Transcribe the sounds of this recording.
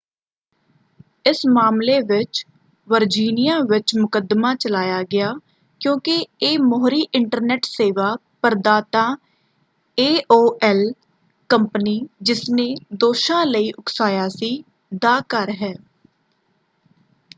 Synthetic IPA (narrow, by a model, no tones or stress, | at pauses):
ɪsmaːmleːʋɪt͡ʃ | ʋəɾd͡ʒiːnɪjãːʋɪt͡ʃmʊkəd̪maːt͡ʃəlaːjaːɡɪjaː | kjõːkɪeːmɔːɦɾiːʔɪɳʈəɾnɛːʈseːʋaː | pəɾd̪aːt̪ãː | eːʔoːʔɛl | kəmpəniːd͡ʒɪsneːd̪oːʃãːləiːʔʊksaːjaːsiː | d̪aːkəɾɦɛː